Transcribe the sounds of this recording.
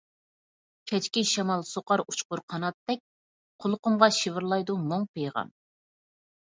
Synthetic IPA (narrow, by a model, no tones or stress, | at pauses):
kʲʰɛt͡ʃkʲiʃɛmɑlˠsoqɑɾut͡ʃqʊɾqʰɑnɑt̪ːɛk̚ʲ | qʰolˠqʊmʁɑʃivɪɾlˠɑjd̪umoŋpejʁɑ̰m